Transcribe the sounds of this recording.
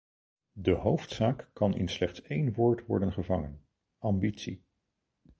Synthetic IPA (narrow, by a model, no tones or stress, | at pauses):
dəɦowftsaːkːɑnɪ̰nslɛχtsejnʋʊːɹtʋɔɹdənχəvɑŋən | ɑmbitsi